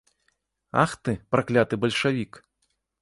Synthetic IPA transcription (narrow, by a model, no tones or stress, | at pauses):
a̰xt̪ɨpɾaklʲat̪ɨbɐlʲʂavʲik